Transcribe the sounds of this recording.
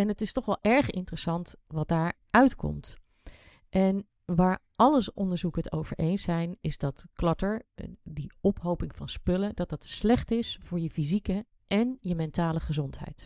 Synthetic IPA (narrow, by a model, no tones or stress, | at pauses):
ɛnətɪstɔχʋɛlˠʔɛɹχɪ̰ntrəsɑntʋɑt̚daːɹ | œɥtkɔ̰mt | ʔɛn | ʋaːɹ | ɑləʔɔndəɹzukəəto̰wv̥ə̰ɹʔejnsɛjnɪzdɑtklɑtəɹdiɔpɦowpɪŋvɑnspɵlədɑt̚dɑtslɛχtɪsfʊːɹjəfizikə | ʔɛnjəmɛntaːləχəzɔntɦɛ̰jt